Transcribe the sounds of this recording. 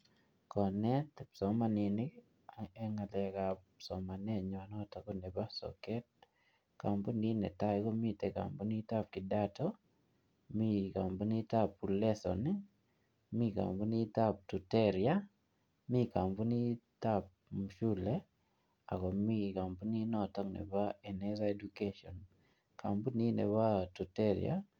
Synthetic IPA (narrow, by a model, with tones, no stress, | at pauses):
kɔ˨nɛ˦tɛ˨psɔ˨ma˨ni˨nɪ˦ | ɛ˦ŋa˨lɛ˨kapsɔ˨ma˨nɛ˦˨ɲɔ˨nɔ˦ta˨ko˦ne˨ba˦sɔ̰˨kɛ˦t̚ | ka˨mpo˦ni˦nɛ̰˨ta˦iko˦mi˦te˨ka̰˨mpu˦ni˦ta˦p̚kɪ˨da˦tɔ˦ | mi˦ka˨mbu˦ni˦ta˦pu˨lɛ˦sɔ̰ni˦ | mi˦ka̰˨mpu˦ni˦ta˦p̚tu˨tɛɾja˦ | mi˦ka˨mpu˦ni˦tap̚mʃu˦le | a̰˨kɔ˨mi˦ka˨mpu˦ni˦nɔ˦tɔ˦ŋnɛ̰˨baenɛza˦e˦dukeʃɔn | ka̰˨mpu˦ni˦nɛ̰˨ba˦tu˨teɾj̰a̰